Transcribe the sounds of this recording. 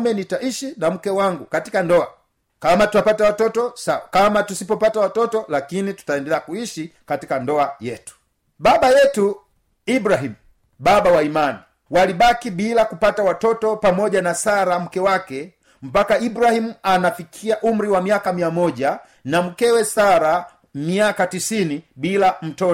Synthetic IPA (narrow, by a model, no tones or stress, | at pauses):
mɛnitaʔiʃinam̩kɛwaŋɡukatikandɔa | kamatuwapatawatɔtɔsawakamatusipɔpatawatɔtɔlakinitu̥taɛndɛlɛakuiʃikatikandɔajɛtu̥ | ɓaɓajɛtu | ibɾaɦimu | ɓaɓawaimani | waliɓakiɓilakupatawatɔtɔpamɔʄanasaɾam̩kɛwakɛ | m̩pakaibɾahimuanafikʰiaʔum̩ɾiwamiakamiamɔʄa | nam̩kɛwɛsaɾa | miakatisiniɓilam̩tɔɔ